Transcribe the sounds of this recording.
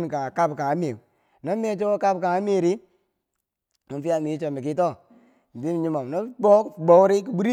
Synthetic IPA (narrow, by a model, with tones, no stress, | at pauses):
n˨ka˨ka˦bka˨a˦m˦e˨ | no˦me˦t͡ʃo˦o˦ka˦bka˨a˦m˦e˦˨ɾi˦ | mu˨fi˦ja˦mi˨˦t͡ʃo˨mi˨k̬i˦tɔ˦˨ | bi˦m˨ɲi˦ma˨m˨no˦bɔ˦˨bo˨wɾi˦ki˨bu˦ɾi˦